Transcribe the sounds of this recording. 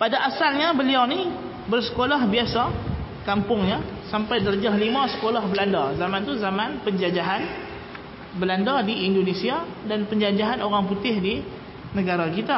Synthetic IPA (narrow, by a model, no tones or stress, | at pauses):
padaʔasalɲabəliawni | bərsə̥kolahbiasa | kampʊŋɲa | sampajdəɾd͡ʒaɦlimasə̥kolahbəlandazamant̪uzamanpəɲd͡ʒad͡ʒaɦan | bəlandadiʔindonesia | danpəɲd͡ʒad͡ʒaɦanoɾaŋput̪ɪhdi | nəɡaɾakit̪a